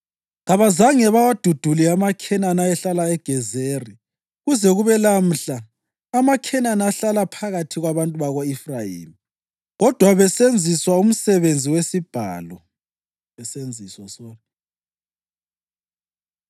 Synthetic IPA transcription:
ɣaβazaŋɛβawad̥ʱud̥ʱuliamakʰɛnanaɛɬalaɛɡ̥ʱɛzeri | ɣuzɛɣuβɛlam̩ɬaː | makʰɛnanaɬalapʰaɣatʰiɣwaβantʼuβaɣoifrajḭːmi | ɣɔd̥ʱwaβɛsend͡zʱiswaum̩sɛβend͡zʱiwesib̥ʱa̰ːlɔ | ɛsend͡zʱiswasɔːnɔ

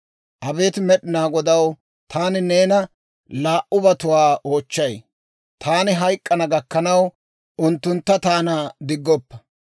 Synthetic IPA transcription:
ʔɐbe̞ːt̪ɪmɛɗɪnaːɡɔd̪ɐw | t̪ʰaːnɪne̞ːnɐ | laːʔʊbɐt̪ʊwaːʔo̞ːt͡ʃːɐj | t̪ʰaːnɪɦɐjkʼːɐnɐɡɐkːɐnɐw | ʊnt̪ːʊnt̪ːɐt̪aːnad̪ɪɡːɔpːɐ

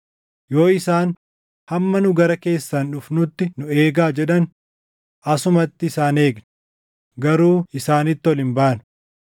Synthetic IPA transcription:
jo̞ːɪsaːn | hɐmːɐnʊɡɐɾɐke̞ːsːɐnᶑʊfnʊt̪ːɪnʊe̞ːɡaːd͡ʒɛᶑɐn | ʔɐsʊmɐt̪ːɪɪsaːne̞ːɡn | ɡɐɾuːɪsaːnɪt̪ːɪɔlɪmbaːnʊ̥

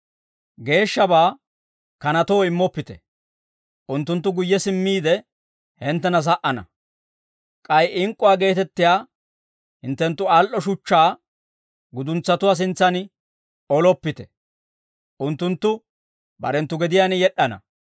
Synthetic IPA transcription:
ɡe̞ːʃːɐbaː | kɐnɐt̪oːɪmːɔpːɪt̪ɛ̥ | ʔʊnt̪ːʊnt̪̬ːʊɡʊjːɛsɪmːiːd̪ɛ | hɛnt̪ːɛnɐs̬ɐʔɐnɐ̰ | kʼɐjɪŋkʼːʊwaːɡe̞ːt̪ɛt̪ːɪjaː | hɪnt̪ːɛnt̪ːʊalʔɔʃʊt͡ʃːaː | ɡʊd̪ʊnt͡sːɐt̪ʊwaːs̬ɪnt͡sːɐn | ɔlɔpːɪt̪ɛ̥ | ʔʊnt̪ːʊnt̪ːʊ | bɐ̰ɾɛnt̪ːʊɡɛd̪ɪjaːnɪjɛɗːɐnɐ̰

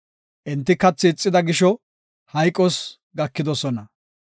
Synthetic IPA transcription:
ʔɛnt̪ːɪkɐt͡sːɪːt͡sʼːɪd̪ɐɡɪʃɔ | hɐjkʼːɔs | ɡɐkːɪd̪ɔsɔnɐ

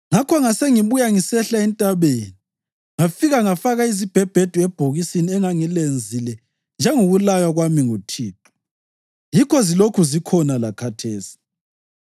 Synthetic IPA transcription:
ŋakʰɔŋaseŋiβujaŋisɛɬaɛntʼaβeːni | ŋafiɣaŋafaɣaizib̥ʱɛb̥ʱed̥ʱuɛb̥ʱoɣisiniɛŋaŋilend͡zʱilɛ | nd͡ʒʱɛŋoɣulajaɣwamiŋutʰiːtʰʼɔ̥ | jikʰɔzilokʰuzikʰɔnalakʰatʰeːsi̥

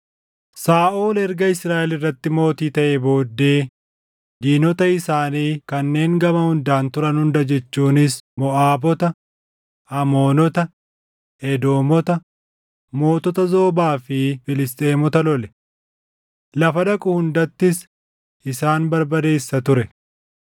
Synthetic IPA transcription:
saːʔoːlɛɾɡɐɪsɾaːʔɛlɪrːɐt̪ːɪmo̞ːt̪iːt̪ɐʔebo̞ːd̪ːe̞ː | d̪iːnɔt̪ɐɪsaːniːkɐnːe̞ːŋɡɐmɐhʊnd̪aːnt̪ʊɾɐnhʊnd̪ɐd͡ʒɛt͡ʃːuːnɪsmɔʔaːbɔt̪ɐ | ɐmo̞ːnɔt̪ɐ | ɛd̪o̞ːmɔt̪ɐ | mo̞ːt̪ɔt̪ɐzo̞ːbaːfɪfɪlɪst̪ʼeːmɔt̪ɐlɔlɛ | lɐfɐd̪ɐkʼʊhʊnd̪ɐt̪ːɪs | ɪsaːnbɐɾbɐd̪e̞ːsːɐt̪ʊɾɛ

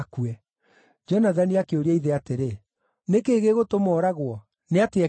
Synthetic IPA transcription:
kuɛ | d͡ʒɔnaðaniakeoɾiɛiðeateɾe | nekeːɣeɣotomɔːɾaɣwɔ | neatea

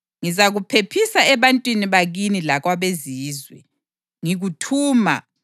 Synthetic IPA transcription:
ŋizaɣupʰepʰisaɛβantʼwiniβaɣinilaɣwaβeziːzwɛ̰ | ŋiɣutʰuːma̰

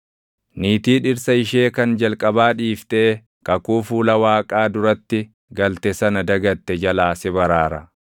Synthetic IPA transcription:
niːt̪iːᶑɪɾsɐɪʃeːkɐnd͡ʒɐlkʼɐbaːᶑiːft̪ɛː | kɐkuːfuːlɐwaːkʼaːd̪ʊɾɐt̪ːɪ | ɡɐlt̪ɛsɐnɐd̪ɐɡɐt̪ːɛd͡ʒɐlaːsɛbɐɾaːɾɐ

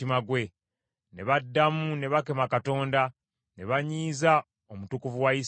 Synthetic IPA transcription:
imaɡwe̞ | ne̞βadːamune̞βake̞makato̞ːnda | ne̞βaɲiːza | omutukuvuwajis

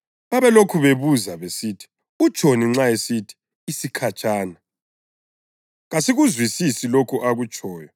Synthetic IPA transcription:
βaβɛlokʰuβeβuzaβesiːtʰi̥ | ut͡ʃʼoniŋ͡ǁajesitʰi̥ː | sikʰat͡ʃʼaːna | ɣasiɣuzwisisilokʰuʔaɣut͡ʃʼɔːjɔ

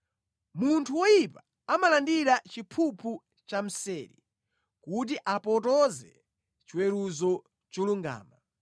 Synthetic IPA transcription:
muntʰuwɔjipa | amalandiɾat͡ʃipʰupʰu | t͡ʃam̩sɛːɾḭ | kut̬iʔapɔtɔzɛ̰ | t͡ʃiwɛɾuzɔ | t͡ʃɔluŋɡa̰ːma

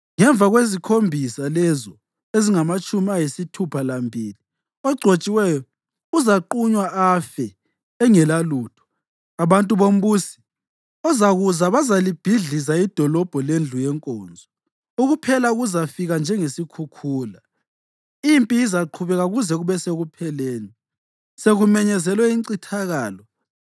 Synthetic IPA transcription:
ŋɛɱvʱaɣwezikʰombʱisalɛzɔ | eziŋamat͡ʃʼumiajisitʰupʰalambʱiːli | ɔɡ͡ǀʱot͡ʃʼiwɛjɔ | uzaǃuɲwaafɛː | ŋɛlaluːtʰɔ̥ | aβantʼuβom̩buːsi̥ | ɔzaɣuzaβazalib̥ʱiɮizaid̥ʱɔlɔb̥ʱɔlend͡ɮʱujɛŋkʼɔ̰ːnd͡zʱɔ | uɣupʰɛlauɣuzafiɣand͡ʒʱɛŋesikʰukʰuːla | impʼijizaǃʰuβɛɣaɣuzɛɣuβɛseɣupʰɛleːni | seɣumɛɲɛzɛlwɛiǀitʰaɣaːlɔ

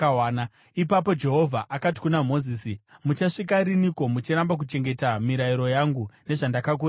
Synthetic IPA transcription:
awaːna | ipapo̞d͡ʒe̞ɦo̞vʱaʔakati̥kunamo̞ziːsimut͡ʃaʂik̬aɾiniko̞mut͡ʃiɾambak̬ut͡ʃe̞ŋɡe̞tamiɾaiɾo̞jaŋɡune̞ʐandakak̬uː

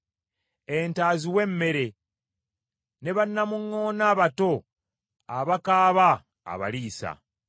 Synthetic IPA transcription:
entaːziwe̞mːe̞ɾe̞ | ne̞βanːamuŋːo̞ːnaβato̞ | aβakaːβa | a̰βa̰liːsa̰

